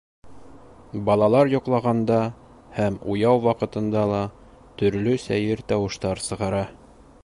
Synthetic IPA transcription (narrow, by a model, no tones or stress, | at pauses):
bɑlˠɑlˠɑɾjŏqlˠɑʁɑnd̪ɑ | hæmujɑwwɑqɤ̆t̪ɤ̆nd̪ɑlˠɑ | t̪ɵ̆ɾlɵsæjɘɾt̪ɑwɤ̆ʃt̪ɑɾsɤ̆ʁɑɾɑ